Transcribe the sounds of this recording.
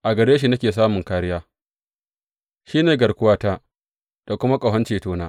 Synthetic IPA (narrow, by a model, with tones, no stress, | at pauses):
ʔa˨ɡɐ˨ɽeː˦ʃ̬i˨nɐ˦kʲeː˨s̬aː˦mʊ˨ŋkaː˦ɾɪ˦jaː˦ | ʃiː˦neː˨ɡɐ˨ɽkʷʊ˦waː˦taː˦ | d̥a˨kʷʊ˦ma˦kʼɐ˨ɦɐ˦nt͡ʃeː˨toː˦naː˦